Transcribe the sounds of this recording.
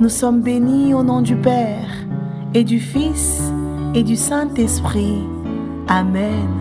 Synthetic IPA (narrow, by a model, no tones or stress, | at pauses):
nusɔmbenionɔ̃d̪ypɛ | ʁ | ed̪yfis | ed̪ysɛ̃t̪ɛspχi | amɛn